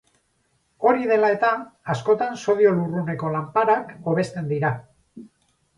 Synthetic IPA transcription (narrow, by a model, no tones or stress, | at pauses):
o̞ɾiðe̞lae̞t̪aːsko̞t̪anso̞ðio̞lurune̞ko̞lampaɾako̞β̞e̞st̪e̞nd̪iɾa